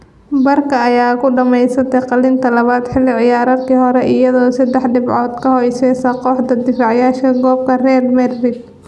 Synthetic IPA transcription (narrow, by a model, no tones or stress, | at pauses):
bɐrkʰɐːjaːkʰʊɖɐmɛjsɐt̪ʰɛqɑlɪnt̪ʰɐlɐβaːd̪ħɪlːɪʕɪjaːɾɐːd̪kʰiːɦɔɾɛʔɪjɐðɔːsɐd̪ɛħɖɪbʕɔːd̪kʰɐhɔjsɛːsɐqɔːħd̪ɐd̪ɪfaːʕjaːʃkɐɡɔːb̚kʰɐrɛːlmɛdrɪd̪̚